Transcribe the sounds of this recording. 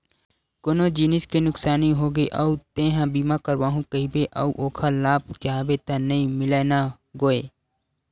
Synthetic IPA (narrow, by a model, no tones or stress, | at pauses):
koːnod͡ʒiːnɪskenʊksaːniɦoːɡeʔəut̪ẽːɦãbiːmakəɾʋaːɦũkəɦibeʔɐ̰uʔoːkʰalaːb̚d͡ʒaːbet̪anɐĩmɪleːna | ɡoːe